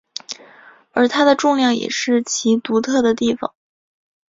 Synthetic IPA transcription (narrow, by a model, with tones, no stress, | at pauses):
ə˞˧˥t̪ʰa˥d̪ə˨ʈ͡ʂʊ˥˧ŋljɑ˥˩ŋjɛ̰˨˩ʂɻ̩˥˩t͡ɕʰi˧˥t̪u˧˥t̪ʰɤ˥˩d̪ə˩t̪i˥˩fɑ̰˨˩ŋ